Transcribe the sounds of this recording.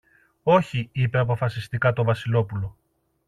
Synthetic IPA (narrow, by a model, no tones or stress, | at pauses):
o̞çiipe̞ɐp̬o̞fɐsist̪ikɐt̪o̞vɐsilo̞pulo̞